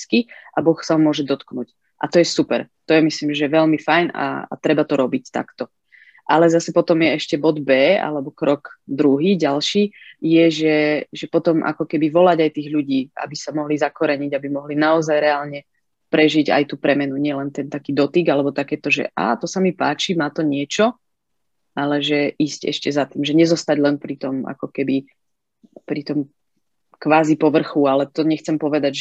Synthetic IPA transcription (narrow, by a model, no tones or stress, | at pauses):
skiabɔxsaɦɔmʊɔʒɛd̪ɔt̪knuc | ʔa̰t̪ɔjɛsupɛ̰ɾt̪ɔjɛmisliːmʒɛʋɛlmifajna̰t̪ɾɛbat̪ɔɾɔbict̪a̰kt̪ɔ | ʔalɛzasɛpɔt̪ɔmjɛɛʃcɛbɔd̪bɛːa̰lɛbɔkɾɔɡd̪ɾuɦiːɟalʃiːjɛʒɛʒɛpɔt̪ɔmʔa̰kɔkɛbiʋɔlaɟajt̪iːɣʎuɟiːa̰bisamɔɦlizakɔɾɛɲiɟabimɔɦlinaɔzajɾɛaːlɲɛ | pɾɛʒiɟa̰jt̪uːpɾɛmɛnuɲɪɛlɛnt̪ɛnt̪akiːd̪ɔt̪iɡalɛbɔt̪akɛːt̪ɔʒɛ̰ʔa̰ːt̪ɔsamipaːt͡ʃimaːt̪ɔɲɪɛt͡ʃɔ | alɛʒɛʔiːscɛ̰ʃcɛzat̪iːmʒɛɲɛzɔst̪aɟlɛnpɾit̪ɔma̰kɔkɛbi | pɾit̪ɔm | kʋaːzipɔʋr̩xualɛt̪ɔɲɛxt͡sɛmpɔʋɛd̪aɟʒ